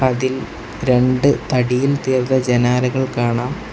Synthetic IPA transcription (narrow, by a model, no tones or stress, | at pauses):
ɐðil | ɾe̞ɳɖɨt̪ɐɽijilt̪iːrt̪ɐd͡ʑɐnaːɾɐɣɐɭkaːɳaːm